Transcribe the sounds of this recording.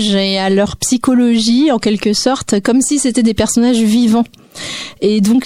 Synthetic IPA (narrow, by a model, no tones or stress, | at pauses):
ʒealœʁpsikɔlɔʒiɑ̃kʲɛlkəsɔʁt̪kɔmsiset̪ɛd̪epɛʁsɔnaʒvivɑ̃ | ed̪ɔ̃k